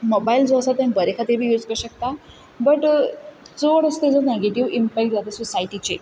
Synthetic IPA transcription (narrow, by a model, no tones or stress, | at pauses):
mobaild͡zoəsat̪ẽmbəɾekʰat̪iɾbʱiːjud͡zkəɾɕək̚t̪a | bəʈ | d͡zoəɽəst̪ed͡zəneɡeʈiʋimpɛk̚ʈd͡zat̪esusaiʈit͡ɕe